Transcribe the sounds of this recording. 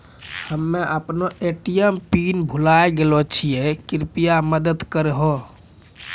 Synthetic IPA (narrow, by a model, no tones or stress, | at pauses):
həmːeʔəpnoeʈijəmpinbʱulajɡelot͡ʃʰijekiɾpijaməd̪əd̪kəɾeɦo